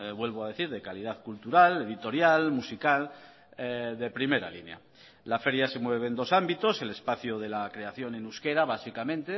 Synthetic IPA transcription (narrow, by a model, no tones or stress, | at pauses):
βwe̞lβoað̞e̞θiɾðe̞kalið̞aðkult̪uɾale̞ðit̪o̞ɾjalmusikal | eðe̞pɾime̞ɾa̰lḭnja̰ | lafe̞ɾjase̞mwe̞β̞e̞ːnd̪o̞sambit̪o̞se̞le̞spaθjoð̞e̞lakɾe̞aθjo̞nenuske̞ɾaβasikamẽ̞nt̪e